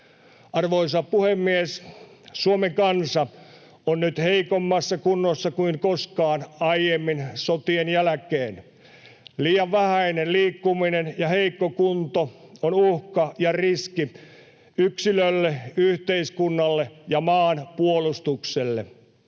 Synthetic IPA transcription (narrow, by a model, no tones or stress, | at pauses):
ʔɑrʋois̬ɑppuhemːies | suomeŋkɑnsɑ | onnyt̪heikomːɑsːɑkunːosːɑkuiŋkoskɑːnɑijjemːinsot̪ienjælækeːn | liːjɑʋʋæhæinenliːkːuminenjɑheikːokunt̪oonuhkɑjɑriski | yksilølːeyht̪eiskunːɑlːejɑmɑːnpuolust̪ukselːḛ